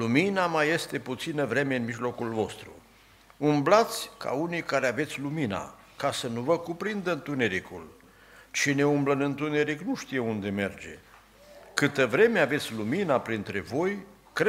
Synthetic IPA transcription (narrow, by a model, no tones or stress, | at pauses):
luminamaje̞st̪e̞put̪sinəvɾe̞me̞ɨnmiʒlo̞kulvo̞st̪ɾṵ | umblat̪sʲka̰unijkaɾeave̞t̪sʲlumina̰ | kasənuvəkupɾind̪əɨnt̪une̞ɾikul | t͡ʃine̞umblənɨnt̪une̞ɾiknuʃt̪ije̞und̪e̞me̞rd͡ʒe̞̰ | kɨt̪əvɾe̞me̞ave̞t̪sʲluminapɾint̪ɾe̞vo̞j | k